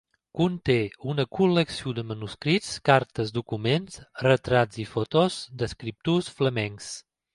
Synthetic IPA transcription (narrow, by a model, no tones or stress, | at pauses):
kunt̪eunəkuləksiud̪əmənuskɾitskaɾt̪əzd̪ukumensrət̪ɾazifot̪ozd̪əskɾip̚t̪usfləmɛŋs